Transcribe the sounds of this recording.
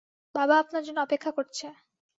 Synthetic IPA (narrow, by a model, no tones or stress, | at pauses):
babaapnaɾd͡ʑonːoɔpekʰːakoɾt͡ɕʰe